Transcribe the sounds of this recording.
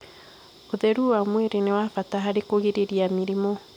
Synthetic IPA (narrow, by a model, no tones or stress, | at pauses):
oðɛɾuwamweɾenewafataɦaɾekoɣeɾeɾiamiɾimɔ